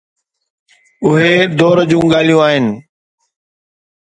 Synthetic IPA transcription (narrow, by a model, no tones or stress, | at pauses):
ʊɦeːd̪ɔːɾd͡ʑũːɠaːl̤ijũaːɦɪnɪ̆